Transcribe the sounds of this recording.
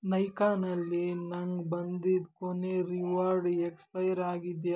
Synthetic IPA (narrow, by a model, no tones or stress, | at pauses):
nɐjkaːnɐlːinɐŋɡbɐnd̪id̪koneɾiʋaːɾɖekspɐjɾaːɡid̪j